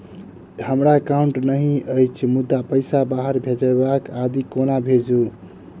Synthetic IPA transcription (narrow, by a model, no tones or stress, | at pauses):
həmɾakauɳʈnəɦĩəjt͡ʃʰmud̪ːapəjsabaɦəɾbʱed͡ʒəbakad̪ikonabʱed͡ʒu